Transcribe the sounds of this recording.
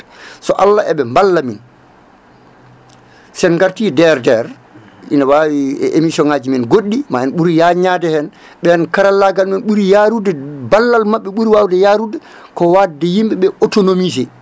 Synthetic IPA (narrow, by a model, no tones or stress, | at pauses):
sɔʔalːaʔɛɓɛmbalːamin | sɛnŋɡaɾtidɛɾdɛɾ | ḭnawawiɛ̰ʔemisɔnaːd͡ʒiminɡoɗːimaɛnɓuɾijaɲadɛhɛn | ɓɛnkaɾalːaɡalmɛnɓuɾijaɾudɛbalːalmaɓːɛɓuɾiwawdɛjaɾudɛ | kɔwadɛjimɓɛɓɛotonomizɛ